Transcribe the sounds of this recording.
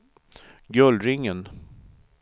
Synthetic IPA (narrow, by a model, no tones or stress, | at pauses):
ɡœlɾɪŋːən